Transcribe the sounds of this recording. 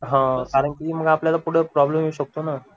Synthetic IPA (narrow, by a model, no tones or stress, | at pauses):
ɦãkaɾəɳkim̤əɡapljalapuɽ̤epɾɔblemjeuɕək̚t̪ona